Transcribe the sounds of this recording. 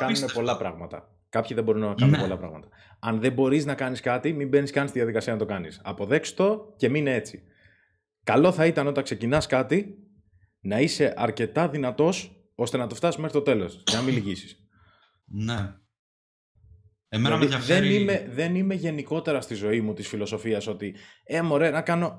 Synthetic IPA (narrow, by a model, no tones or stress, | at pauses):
kɐnumepo̞lɐpɾɐɣmɐt̪ɐ̰ | kɐpçiðebo̞ɾunɐkɐunmeo̞lɐpɾɐ̰ɣmɐt̪ɐ̥ | ɐnðe̞mbo̞ɾiznɐkɐniskɐt̪imimbe̞niskɐnist̪iðiɐðikɐsiɐnɐt̪o̞kɐnḭsɐpo̞ðe̞ksi̥t̪o̞ce̞minee̞t͡si | kɐlo̞θɐit̪ɐno̞t̪ɐŋkse̞cinɐskɐt̪i | nɐise̞ʔɐɾce̞t̪ɐðinɐt̪o̞s | o̞st̪e̞nɐt̪o̞ft̪ɐsimeɾit̪o̞t̪e̞lo̞̰sʝɐnɐmiliʝisi̥s | ne | mlɐðiðenimeðe̞nime̞ʝe̞niko̞t̪e̞ɾɐst̪izo̞imut̪isfilo̞so̞fiɐso̞t̪iemoɾenɐkɐno̞